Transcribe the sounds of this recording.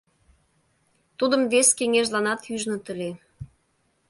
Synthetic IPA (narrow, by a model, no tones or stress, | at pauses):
t̪ud̪əmveskeŋeʒlɑnɑt̪yʒnət̪ə̆le